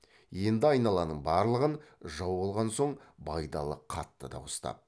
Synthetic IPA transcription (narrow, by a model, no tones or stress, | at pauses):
je̞nd̪ɪɑjnɑlˠɑnəɴbɑɾlˠəʁənʒɑwbolˠʁɑnso̞ɴbɑjd̪ɑlˠəqʰɑt̪ːəd̪ɑ̰wʊst̪ɑ̰p̚